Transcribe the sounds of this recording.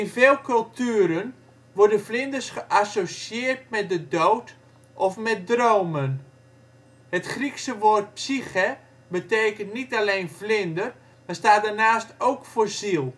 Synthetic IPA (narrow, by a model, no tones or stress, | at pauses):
ɪnvɪːlˠkɵlˠtʰyəɾən | ʋɔrdənvlɪndərsχəʔasosjɪːərt̚mɛt̚dədowt | ʔɔfmɛt̚droːmən | hətχriksəʋoːrt̚psixə | bəteːkəntnitalejnflɪndər | mastaːdarnaːstowkfʊːrzilˠ